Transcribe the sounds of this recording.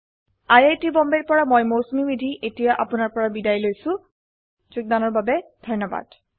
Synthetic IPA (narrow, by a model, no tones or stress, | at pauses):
ajejtibɔmbeɹpɔɹamojmowsmibidʱiʔetijaʔapʊnaɹpɔɹabidajlojsʊ̃ | zuk̚danɔɹbabɛd̥ʱɔnːɔba̰d̥